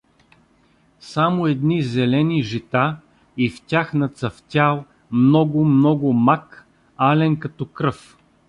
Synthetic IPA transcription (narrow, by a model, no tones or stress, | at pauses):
samʊɛd̪nizɛlɛniʒit̪a | iftʲaxnɐt̪sɐft̪ʲalˠ | mnɔɡʊmnɔɡʊmak | alɛnkɐt̪ɔkɾɤf